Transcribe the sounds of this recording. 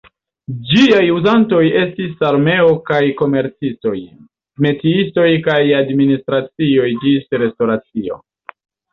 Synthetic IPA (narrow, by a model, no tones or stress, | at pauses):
d͡ʒiajuzanto̞je̞stisaɾme̞o̞kajko̞me̞ɾt͡sisto̞j | me̞tiisto̞jkajadministɾat͡sio̞jd͡ʒisɾe̞sto̞ɾat͡sio̞̰